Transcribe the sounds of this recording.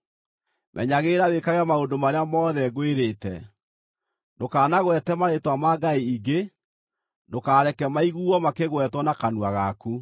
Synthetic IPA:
mʔɛ̰ɲaɣeːɾawekaɣɛmaondomaɾeamɔðɛɣweɾetɛ̰ | ndokaːnaɣwɛtɛmaɾetwamaːɡaiiɡe | ndokaːɾɛkɛmaiɣuːɔmakeɣwɛtwɔnakanwaɣaku

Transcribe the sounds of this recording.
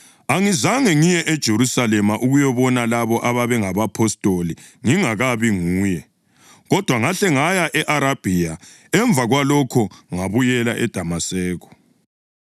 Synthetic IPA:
aŋizaŋɛŋijɛʔɛd̥ʒ̥ʱeɾusalɛmaʔuɣujɔβɔnalaβɔʔaβaβɛŋaβapʰɔstʼoli | ŋiŋaɣaβiŋuːjɛ | ɣɔd̥ʱwaŋaɬɛŋajaʔɛʔaɾab̥ʱija | ɛɱvʱaɣwalɔkʰɔŋaβujɛla̰ʔɛd̥ʱamasɛːɣɔ̥

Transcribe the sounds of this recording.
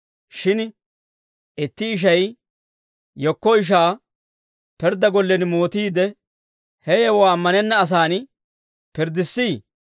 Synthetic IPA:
ʃɪn | ɪt̪ːɪːʃ̬ɐj | jɔkːɔɪʃ̬aː | pɛɾd̪ɐɡɔlːɛnmoːt̪iːd̪ɛ | hɛjɛwɔaːmːɐnɛnːɐːs̬aːn | pɪɾd̪ɪsːiː

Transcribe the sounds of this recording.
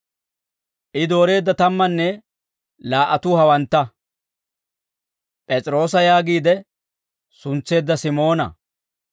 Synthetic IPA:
ʔɪd̪o̞ːɾe̞ːd̪ːɐt̪ɐmːɐnːɛ | laːʔɐt̪ʊhɐwɐnt̪ːɐ | pʼɛt͡sʼɪɾo̞ːs̬ɐjaːɡiːd̪ɛ | sʊnt͡sːe̞ːd̪ːɐsɪmo̞ːnɐ̰

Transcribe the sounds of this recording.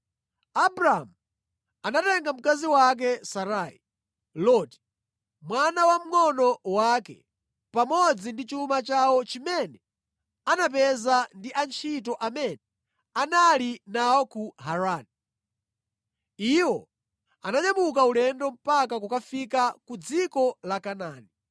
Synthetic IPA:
abɾaamu | anatɛŋɡam̩kaziwak̬ɛsaɾaːi | lɔti̥ | mwanawam̩ŋɔnɔwakɛ̰ | pamɔd͡zindit͡ʃumat͡ʃawɔt͡ʃimɛnɛ | anap̬ɛzandiʔant͡ʃʰit̬ɔʔamɛnɛ | analinaɔkuɦaɾaːni | iwɔ̰ | anaɲamukaulɛndɔm̩pakak̬ukafikakud͡zikɔlakanaːni

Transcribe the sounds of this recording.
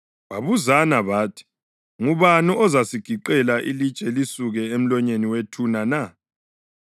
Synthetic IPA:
βaβuzanaβaːtʰi̥ | ŋuβanuʔɔzasiɡ̥ʱiǃɛlaʔilit͡ʃʼɛlisuɣɛem̩lɔɲeniwetʰunana

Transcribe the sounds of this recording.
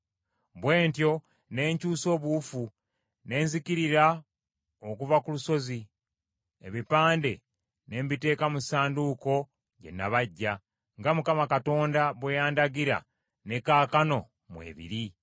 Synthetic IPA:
βwe̞ːntjo̞ | ne̞ːɲcuːso̞ːβufu | ne̞ːnzikiɾiɾa | okuvakuluso̞zi | e̞̰βipaːnde̞ | ne̞ːmbite̞ːkamusaːnduːko̞ | ɟe̞̰nːaβaɟːa | ŋɡamukamakato̞ːndaβwejaːndaɡiɾa̰ | ne̞kaːkano̞ | mwe̞̰ːβḭɾi

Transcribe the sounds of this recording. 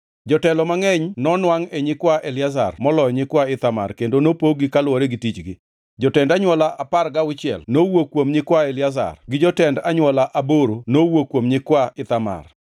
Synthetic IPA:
d͡ʒɔtɛlɔmaŋɛɲnɔnwaŋeɲɪkwaʔelɪaza̰rmɔlɔjɲɪkwaɪt̪ama̰rkendonopoɡɪkalwɔɾeɡɪtit͡ʃɡɪ | d͡ʒɔtɛndaɲwɔlaʔaparɡaʊt͡ʃɪɛ̰lnowokwomɲɪkwaelɪaza̰rɡɪd͡ʒɔtɛndaɲwɔlaʔaboɾonowokwomɲɪkwaɪt̪ama̰r

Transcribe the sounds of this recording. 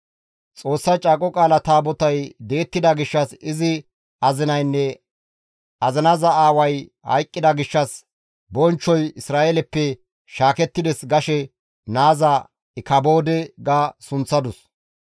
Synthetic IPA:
t͡sʼo̞ːsːɐt͡ʃʼaːkʼɔkʼaːlɐt̪aːbɔt̪ɐjd̪e̞ːt̪ːɪd̪ɐɡɪʃːɐsɪzɪ | ɐzɪnɐjnːɛ | ɐzɪnɐzɐaːwɐj | hɐ̰jkʼːɪd̪ɐɡɪʃːɐs | bɔnt͡ʃːɔjɪsɾaːʔelɛpːɛ | ʃaːkɛt̪ːɪd̪ɛsɡɐʃɛ | naːzɐ | ɪkɐbo̞ːd̪ɛɡaːsʊnt͡sːɐd̪ʊs

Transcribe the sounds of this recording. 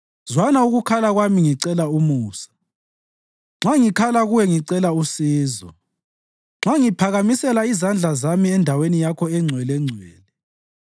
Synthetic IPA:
zwanauɣukʰalaɣwamiŋiǀɛlaumuːsḁ | ŋ͡ǁaŋikʰalaɣuwɛŋiǀɛlausiːzɔ̰ | ŋ͡ǁaŋipʰaɣamisɛlaizand͡ɮʱazamiɛndʱawenijakʰɔɛŋ͡ǀʱwɛlɛŋ͡ǀʱwɛːlɛ

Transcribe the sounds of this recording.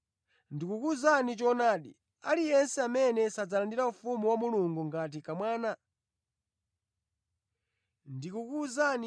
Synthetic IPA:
ndikukuzanit͡ʃɔnaːɗḭ | alijɛnsɛamɛnɛsad͡zalandiɾaufumuwamuluŋɡuŋɡat̬ikamwaːna | ndikukuzan

